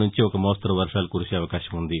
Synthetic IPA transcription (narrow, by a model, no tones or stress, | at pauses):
nuɲt͡ʃiɔkːɐmoːst̪ɾɐʋɐɾʂaːlkuɾut͡ʃːeɐʋɐkaːɕɐmund̪i